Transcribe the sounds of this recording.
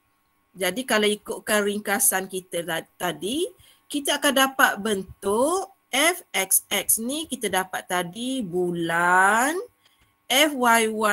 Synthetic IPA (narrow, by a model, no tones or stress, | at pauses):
d͡ʒadikalaikʊʔ̪̚kanɾiŋkasankit̪at̪adi | kit̪aakandapat̪̚bənt̪ʊʔ | ɛfɛksɛk̚snikit̪adapat̪ːadibulan | ʔɛfwajwa